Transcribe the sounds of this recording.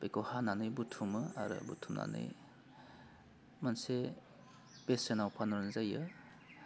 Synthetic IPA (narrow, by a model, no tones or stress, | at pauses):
bekohananɯjbutʰumɯa̰ɾɯ̰butʰumna̰nɯ̰j | manse | b̥esenawpʰanɔɾnzajɯ